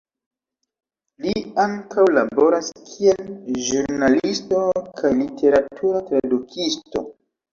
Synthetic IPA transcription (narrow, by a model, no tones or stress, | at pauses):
liaŋkawlabo̞ɾaskʰielʒuɾnalisto̞kʰajlitʰe̞ɾatuɾatɾadukʰisto̰